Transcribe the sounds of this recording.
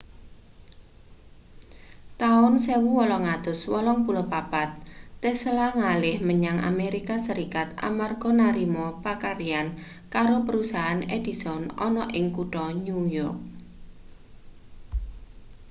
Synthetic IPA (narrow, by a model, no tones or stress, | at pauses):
t̪aʊnsewuwɔlɔŋad̪ʊswɔlɔŋpulopapat̪̚ːɛslaŋalɪhməɲaŋʔa̰meɾikasəɾikat̪̚a̰marɡ̥ɔnaɾimɔpakaɾian | kaɾopəɾusaʔaned̪̥isɔnɔnɔʔɪŋkuʈɔɲujɔrk̚